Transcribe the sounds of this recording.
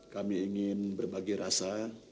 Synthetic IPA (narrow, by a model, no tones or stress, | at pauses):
kamiːŋɪnbərbaɡiɾasa